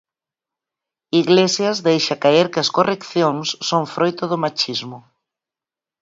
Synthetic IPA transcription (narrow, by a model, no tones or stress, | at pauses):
iɣlesjɐzðejʃakaeɾkɪɐskorekθjoŋsːoŋfɾʔojt̪ʊðʊmat͡ʃizmʊ